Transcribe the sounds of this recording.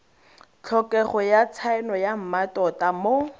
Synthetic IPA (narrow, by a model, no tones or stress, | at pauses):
t͡ɬʰɔkʼɛχɔjat͡sʰaɛnɔjam̩matʼɔtʼamo